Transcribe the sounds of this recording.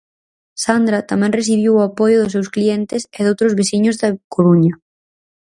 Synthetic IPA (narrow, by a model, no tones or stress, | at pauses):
sand̪ɾɐt̪amɛ̃ŋres̬iβ̞iwʊapɔjʊðʊs̬ewsklient̪ɪsɪðowt̪ɾʊzβesiɲʊzðɐkoɾuɲɐ